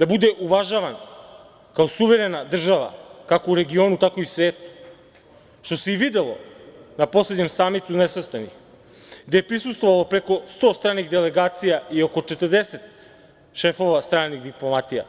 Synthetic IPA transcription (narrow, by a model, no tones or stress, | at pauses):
d̪abud̪ɛʔuvaʒaʋan | kaosuvɛɾɛnad̪r̩ʒaʋa̰kakouɾeɡionut̪akoisveːt̪u̥ | ʃt̪oseivid̪ɛlˠo̰naposled̪ɲemsaːmit̪unɛsast̪anix | ɡd̪eːpɾisust̪vovalˠopɾekost̪ost̪ɾaːniɣd̪elɛɡaːt̪sijaiokot͡ʃet̪ərd̪eset̪ | ʃefoʋast̪ɾaːniɣd̪iplˠomat̪ija̰